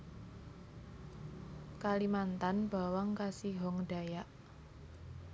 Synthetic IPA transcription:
kalimant̪anb̥awaŋkasiɦɔŋda̤jaʔ

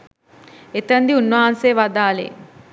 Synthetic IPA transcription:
et̪ənd̪iunʋɐɦanseːʋad̪aːlḛ

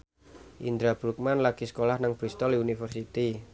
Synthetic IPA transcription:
ʔind̪ɾab̥ɾuk̚manlaɡ̥iskolahnaŋb̥ɾist̪ɔliunifərsit̪i

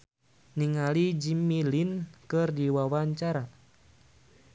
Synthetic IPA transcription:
niŋalid͡ʒimilinkɨrdiwawaɲt͡ʃaɾa

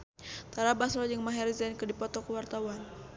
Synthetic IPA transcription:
t̪aɾabasɾɔd͡ʒəŋmaɦɛrzankədipɔt̪ɔkəwart̪awan

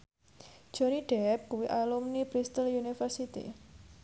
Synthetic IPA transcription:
d͡ʒ̥ɔ̤niɖ̥ɛp̚kuwiʔalumnibɾist̪əlunifərsit̪ḭ

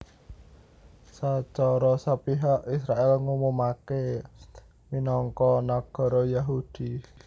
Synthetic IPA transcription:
sat͡ʃɔɾɔsapiɦaʔisɾaʔɪlŋumumake | minɔŋkɔnaɡ̥ɔ̤ɾɔjaɦud̪̥i

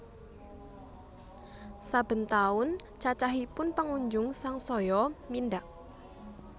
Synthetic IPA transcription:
sab̥ə̤nt̪aʊn | t͡ʃat͡ʃaɦipʊnpəŋuɲd͡ʒʊŋsaŋsɔjɔmindaʔ

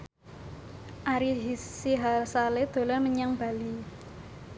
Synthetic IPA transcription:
ʔaɾiɦisiɦalsaled̪̥o̤larməɲaŋb̥a̤li

